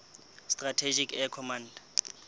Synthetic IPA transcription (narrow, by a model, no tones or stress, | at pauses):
stratʰed͡ʒikʰɛkʰɔmãndḁ